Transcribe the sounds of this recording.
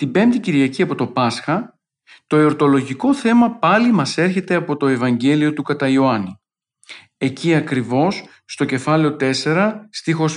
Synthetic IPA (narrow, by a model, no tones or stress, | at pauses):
t̪ibe̞mt̪iciɾʝɐciɐpo̞t̪o̞pɐsxɐ | t̪o̞io̞ɾt̪o̞lo̞ʝiko̞θe̞mɐpɐlimɐse̞ɾçe̞t̪e̞ɐpo̞t̪o̞e̞vɐɲɟe̞lio̞t̪ukɐt̪ɐio̞ɐni | e̞ciɐkɾivo̞sː | t̪o̞ce̞fɐle̞o̞t̪e̞se̞ɾɐst̪ixo̞s